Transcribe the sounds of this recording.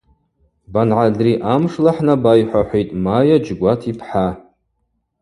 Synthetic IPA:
banʕadriʔamʂlaħnabajħʷaħʷejtʼmajad͡ʒɡʷatʰipʰħa

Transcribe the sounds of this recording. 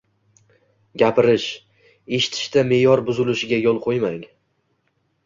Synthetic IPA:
ɡʲapʰɪɾɪʃ | e̞ʃɪ̥t̪ʰɪ̥ʃt̪ame̞jɒɾbʊzɪlɪʃɪɡʲajolˠqʰojmaŋ

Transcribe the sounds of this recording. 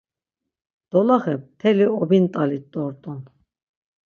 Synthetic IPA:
d̪̥ɔlaχɛp̚t̪ʰɛliɔbint̪ʼalit̪ːɔɾt̪ʼɔn

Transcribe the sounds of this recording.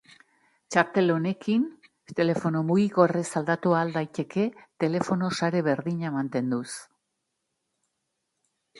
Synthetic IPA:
t͡ʃaɾt̪e̞lo̞ne̞kin | t̪e̞le̞fo̞no̞muɣiɣo̞resald̪at̪uaːld̪ajt̪e̞kʰe̞t̪e̞le̞fo̞no̞saɾe̞βe̞ɾðiɲamant̪e̞nd̪us

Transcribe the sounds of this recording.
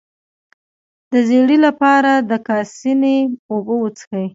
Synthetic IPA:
d̪̥əzeɽilapɑɾad̪əkɑsineobəwət͡sxəj

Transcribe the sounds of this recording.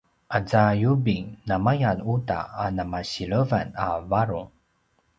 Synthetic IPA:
ʔad͡zajubiŋnamajanuta̰ːnamaɕiɭəvanavaɾuŋ

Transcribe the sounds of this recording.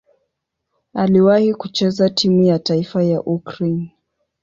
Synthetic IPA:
aliwahikut͡ʃɛzatʰimujataifajaʔukɾen

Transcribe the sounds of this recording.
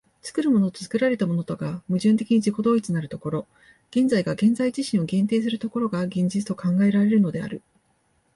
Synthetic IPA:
t͡sɨ̥kɯ̟ɾɯ̟mo̞no̞t̪ot͡sɨ̥kɯ̟ɾaɾe̞t̪amo̞no̞t̪oɡamɯ̟ʑɨ̃nt̪e̞kʲiɲ̟id͡ʑiko̞d̪o̞ːit͡sɨnaɾɯ̟t̪o̞ko̞ɾo̞ | ɡ̥ẽ̞nd͡zaiɡaɡẽ̞nd͡zaiʑiɕĩɰ̃o̞ɡẽ̞nt̪eːs̬ɨɾɯ̟t̪o̞ko̞ɾo̞ɡaɡẽ̞ɲ̟d͡ʑit͡sɨ̥t̪o̞kãŋɡae̞ɾaɾe̞ɾɯ̟no̞d̪e̞a̰ɾɯ̟

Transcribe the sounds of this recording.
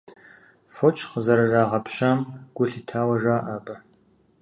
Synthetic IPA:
fot͡ʃʰʼqəzɐɾɐraːʁɐpʰʃɐmɡ̥ʷʊɬiːtʰaːwɐʒaːʔaːbʼɐ

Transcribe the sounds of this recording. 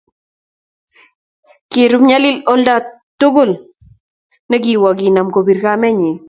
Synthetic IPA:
kiɾumɲalɪlɔlda | tːʊkʊl | nɛk̬iwakinamkobiɾkamɛɲi

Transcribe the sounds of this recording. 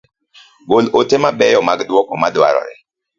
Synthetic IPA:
ɡolotemabɛjɔmaɡdwɔkɔmadwa̰ɾɔ̰ɾɛ̰

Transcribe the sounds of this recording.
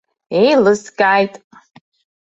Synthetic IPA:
ejlɨskʼajtʼ

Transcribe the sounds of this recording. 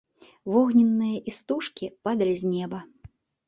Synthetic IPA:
vɔɣnʲɛnːɨjɐʔist̪uʂkʲipad̪ɐlʲizʲnʲɛbɐ

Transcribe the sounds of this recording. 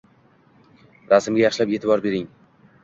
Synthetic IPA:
ɾasɪmɡʲajɑχʃɪlape̞ːt̪ʰɪbɒɾbe̞ɾɪŋ

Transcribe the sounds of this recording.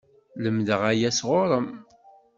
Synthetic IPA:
ləmðəʁæjæsʁʊɾˤəm

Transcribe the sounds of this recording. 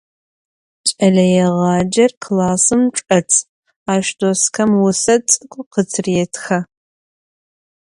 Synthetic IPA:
t͡ʃʼɐɮɐjɛʁɑːd͡ʒɐrkʰlaːsɨmʈ͡ʂʼɐt͡sʰ | aːʃdoskʰɐmwʊsɐt͡sʼɨkʷʼʊqət͡sʰɨrɛtʰxɐ

